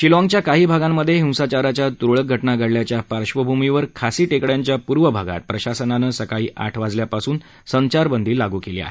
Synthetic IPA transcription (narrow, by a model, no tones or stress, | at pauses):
ɕilɔ̃ŋɡt͡ɕjakaɦiːbʱaɡãmːəd̪ʱːjeɦĩw̃sat͡ɕaɾat͡ɕjat̪ɾoɭək̚ɡʱəʈnaɡʱəɽljat͡ɕjafaɾɕʋəbʱumiʋəɾkʰasiːʈekɭjaɲt͡ɕjapuɾʋəbʱaɡa̰t̪̚pɾəɕasənanəsəkaɭiːʔa̰ʈʰʋad͡zljapasuːn | səɲt͡ɕaɾbənd̪ʱiːlːaɡuːkelḭːa̰ɦe